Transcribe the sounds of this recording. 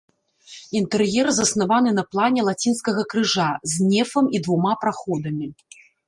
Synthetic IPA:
int̪ɛrjɛrzɐsnavanɨnɐplˠanʲɛlˠat͡sʲinskɐɣɐkɾɨʐazʲnʲɛfɐmid̪vumapɾaxɔd̪ɐmʲi

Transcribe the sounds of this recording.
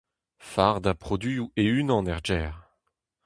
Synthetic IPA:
faːʁd̪apχɔd̪ɥiueynɑ̃nɛʁd͡ʒɛːʁ

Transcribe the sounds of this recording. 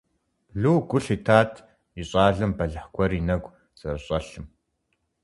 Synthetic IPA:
ɮuːɡʷʊɬitʰaːtʰ | iɕʼaːɮɨmbɐɮɨħkʷʰɔrinɐɡʷ | z̥ʼɐrɕʼɐɬɨm

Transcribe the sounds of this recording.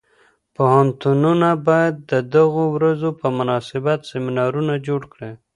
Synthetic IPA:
pohant̪ununabɑjad̪̚ːəd̪aɣowɾazopəmʊnɑsɪbat̪sɪmɪnɑɾunad͡ʒoɽkɽe

